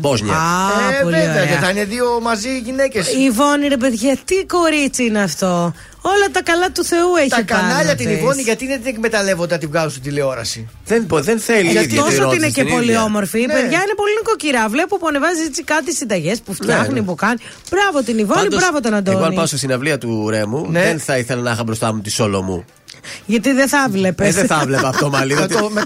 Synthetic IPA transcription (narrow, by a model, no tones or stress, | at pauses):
bozɲɐpolvioeɐeeɐɐineðio̞mɐziʝinecesivo̞niɾe̞p̬eðiʝɐt̪iko̞ɾit͡siineɐft̪o̞ | o̞lɐt̪ɐkɐlɐt̪uθe̞ue̞t̪ikɐɐʎɐt̪inivo̞niʝɐt̪iðet̪inekme̞t̪ɐle̞vond̪eɐt̪ivɣɐzusut̪ileo̞ɾɐ̰si | ðenpoðenθeliɐt̪osoinecepo̞lio̞mo̞ɾfipeðʝɐine̞po̞linikociɾɐvle̞pupuɐnevɐzisit͡sikɐt̪isind̪ɐʝe̞spuft̪çɐxnipukɐni | b̥ɾɐvot̪inivonibɾɐvot̪onɐnd̪onɐnpɐost̪isinɐvliɐt̪uɾemunðenθɐiθelɐnɐxɐbɾost̪ɐmut̪isolo̰mṵ | ʝɐt̪iðeθɐvle̞peðeθɐvlepɐft̪omɐliɐ